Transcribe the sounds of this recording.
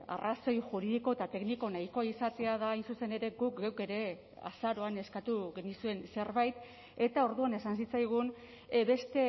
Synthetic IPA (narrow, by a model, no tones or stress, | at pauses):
a̰raso̞jʝuɾiðiko̞et̪at̪e̞kniko̞najko̞aisat̪e̞að̞aːjnsuse̞ne̞ɾe̞ɡuk̚ɡewke̞ɾe̞ | a̰saɾo̞ane̞skat̪uɣenisue̞nse̞ɾβajt̪ | e̞t̪ao̞ɾðuane̞sansit͡sajɣ̞un | βe̞st̪e̞